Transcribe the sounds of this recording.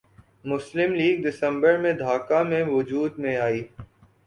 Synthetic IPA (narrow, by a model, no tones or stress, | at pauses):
mʊslɪmliːɡ̚d̪ɪsə̃mbəɾmẽd̪ʱaːkamẽʋʊd͡ʒuːd̪mẽaːiː